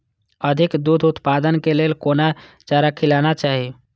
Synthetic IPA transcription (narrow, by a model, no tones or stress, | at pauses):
əd̪ʱikd̪ud̪ʱut̪pad̪ənkelelkona | t͡ʃaɾakʰilanat͡ʃaɦi